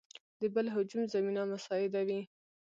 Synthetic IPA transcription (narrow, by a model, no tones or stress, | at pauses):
d̪əbəlɦʊd͡ʒumzaminamasɑɪd̪awi